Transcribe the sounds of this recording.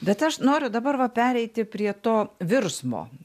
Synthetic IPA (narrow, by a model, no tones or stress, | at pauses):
bʲɛt̪ɐʃnoːɾʲʊd̪ɐbɐɾʋɐpʲæːɾʲɛɪt̪ʲɪpʲɾʲiɛt̪oːʋʲɪrsmo̰ː